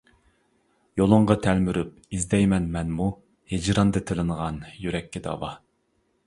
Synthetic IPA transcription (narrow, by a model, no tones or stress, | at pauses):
jolˠʊɴʁɑt̪ʰɛlmyɾyp̚ | izd̪ɛjmɛnmɛnmu | hed͡ʒɾɑnd̪ɨt̪ʰɨlˠɨnəʁɑnjyɾɛkʲːɪd̪ɑ̰wɑ